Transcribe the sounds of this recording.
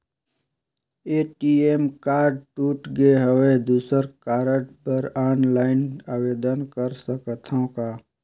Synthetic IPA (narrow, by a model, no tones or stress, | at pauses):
eːʈiemkaːɾɖʈuːʈɡeɦəwed̪uːsəɾkaːɾəɖpəɾaːnlaːɪnaːweːd̪ənkəɾsəkət̪ʰõkaː